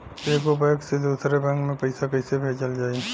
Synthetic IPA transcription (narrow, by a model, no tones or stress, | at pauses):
eːkobɛksed̪uːsɾebɛ̃ŋkmẽpɐɪsakɐɪsebʱeːd͡ʒəld͡ʒaːe